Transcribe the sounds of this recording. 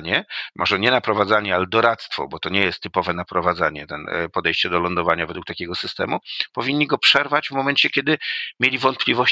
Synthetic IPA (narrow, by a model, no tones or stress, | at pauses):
ɲɛmʔɔʐɛɲɛnapɾɔvad̪zaɲɛalɛd̪ɔɾat̪st̪fɔ̰bɔt̪ɔɲɛjɛst̪ːɘpɔvɛnapɾɔvad̪zaɲɛt̪ɛnpɔd̪ɛjɕt͡ɕɛd̪ɔlɔnd̪ɔvaɲavɛd̪wukt̪akʲɛɡɔsɘst̪ɛ̰mupɔvʲiɲːiɡɔpʂɛɾvad͡ʑvmɔmɛnt͡ɕɛkʲɛd̪ɘmʲjelʲivɔnt̪̚plʲivɔɕ